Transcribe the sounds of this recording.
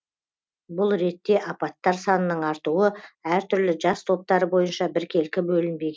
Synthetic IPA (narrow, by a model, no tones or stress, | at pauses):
bʊlˠɾe̞t̪ːe̞ʔɑpɑt̪ːɑɾsɑnənəɴɑɾt̪uwəæɾt̪ʰʏɾlɪʒɑst̪ʰo̞p̚t̪ɑɾəbo̞jənʃɑbɪɾkʲʰe̞lkʲɪbɵlɪnbe̞ɡʲe